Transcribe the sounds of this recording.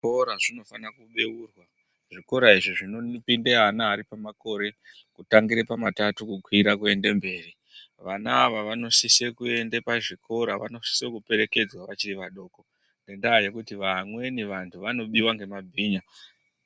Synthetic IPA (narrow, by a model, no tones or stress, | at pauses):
oɾaʐino̞fanakuɓeuːrwa | ʐ̥iko̞ɾaiʐiʐino̞nipindeɦanaːɾipamako̞ɾe̞ | kutaŋɡiɾepamatatukukʰwiɾakue̞ndembe̞ːri | ʋanaːʋaʋano̞sisekue̞ndepaʐikʰo̞ɾaʋa̰no̞si̥sekupe̞ɾeke̞d͡zwaʋat͡ʃiɾiʋaɗo̞ːko̞ | nɡendaːje̞kutiʋamwe̞niʋantʰuʋano̞ɓiwaŋɡe̞mabʱiːɲa